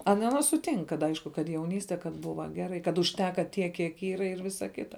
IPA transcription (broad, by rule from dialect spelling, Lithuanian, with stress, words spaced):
ˈɑːnɐ ˈɑːnɐ sʊˈtʲɪŋk kɐt ˈɐɪʃkʊ kɐt jɛʊˈnʲiːsʲtʲɛ kɐt ˈbʊʋɐ ˈɡʲæːrɐɪ kɐt ʊʃʲˈtʲæːkɐ tʲiɛk kʲiɛk ˈiːrɐ ɪr ˈʋʲɪsɐ ˈkʲɪtɐ